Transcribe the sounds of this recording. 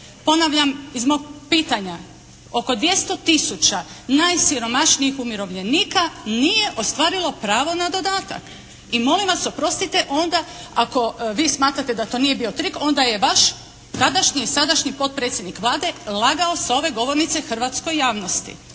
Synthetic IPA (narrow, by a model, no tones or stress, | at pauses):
po̞naʋʎamizmo̞ɡ̚piːt̪aɲa | o̞ko̞d̪ʋje̞st̪o̞t̪isut͡ɕanajsiɾo̞maʃniixumiɾo̞ʋʎe̞niːkanije̞ʔo̞st̪ʋaːɾilˠo̞pɾaːʋo̞nad̪o̞d̪aːt̪a̰k | imo̞limʋaso̞pɾo̞st̪it̪e̞ʔo̞nd̪aako̞ʋiːsmaːt̪ɾat̪e̞d̪at̪o̞ːnije̞bio̞t̪ɾiko̞nd̪aje̞ʋaʃ | t̪ad̪aʃɲiːsad̪aʃɲipo̞t̪̚pɾet̪sje̞d̪nikʋlˠaːd̪e̞lˠaɡaoseo̞ʋe̞ɡo̞ʋoɾnit̪se̞xr̩ʋat̪sko̞jːaːʋno̞st̪ḭ